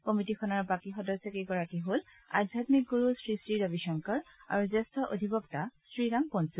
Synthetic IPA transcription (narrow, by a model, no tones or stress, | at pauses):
komitikʰɔnaɹbakixɔdɔsɔkeɡɔɹakiɦol | a̰dʱjatmik̚ɡuɹusɹisɹidabiʃɔŋkɔɹa̰ɹuzɛstɔʔo̰dʱibɔktasɹiɹaŋpɔnsu